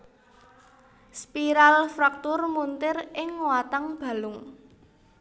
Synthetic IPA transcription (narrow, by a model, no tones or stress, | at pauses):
spiɾalfɾak̚t̪ʊrmunt̪ɪrɪŋwat̪aŋb̥a̤lʊŋ